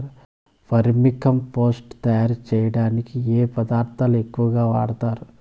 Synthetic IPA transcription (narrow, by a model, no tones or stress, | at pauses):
ɾ | pʰɐɾmikʰɐmpo̞ːsʈt̪ɐjaːɾt͡ʃɛːjɐɽaːnikieːpɐd̪aːɾt̪ʰaːluekːuʋɐɡaːʋa̰ːɽɐt̪aːɾu